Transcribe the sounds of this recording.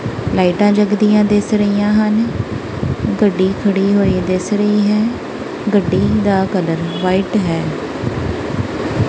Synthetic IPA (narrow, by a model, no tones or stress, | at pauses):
laːiʈãːd͡ʒəɡd̪ijãːd̪ɪsɾəijãːɦən | ɡəɖːiːkʰəɽiːɦoːiːd̪ɪsɾəiːɦɛː | ɡəɖːiːd̪aːkələɾʋaːiʈɦɛː